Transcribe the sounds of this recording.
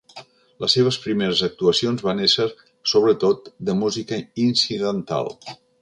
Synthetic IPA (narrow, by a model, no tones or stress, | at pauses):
ləseβ̞əspɾimeɾəzək̚t̪uəsionzβanesəɾ | soβɾət̪ot̪̚d̪əmuzikəinsiðənt̪a̰lˠ